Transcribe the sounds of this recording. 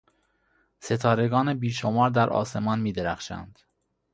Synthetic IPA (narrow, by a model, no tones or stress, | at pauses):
se̞t̪ʰɒːɾe̞ɡɒːnebiːʃomɒːɾd̪æɾʔɒ̰ːse̞mɒːnmiːd̪eɾæxʃæ̰nd̪̥